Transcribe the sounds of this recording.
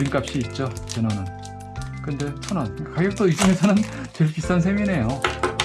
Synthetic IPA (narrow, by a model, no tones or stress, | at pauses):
ɾimk͈ap̚ɕ͈iːt̚t͡ɕ͈ot͡ɕenʌnɯn | kɯnde̞p͈ʰonʌnakaɡjʌk̚t͈oisʰɯŋesʰʌnɯn | tɯɭkis͈ansʰe̞mine̞jo